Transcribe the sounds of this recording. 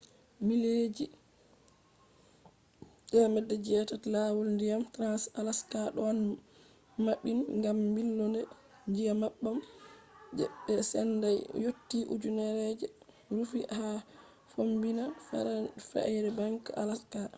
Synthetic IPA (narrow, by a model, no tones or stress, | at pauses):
miled͡ʒi | ɗɛmɛdːɛd͡ʒɛtatlawulndijamtɾansalaskaɗɔan | maɓːinŋɡambilːɔndɛ | ɲd͡ʒijamaɓːam | d͡ʒɛ̰ɓːɛsɛ̰ndajjotːiʔṵd͡ʒunɛɾɛd͡ʒɛ | ɾufiʔha | fombina | fɛ̰jɾɛbaŋka̰laska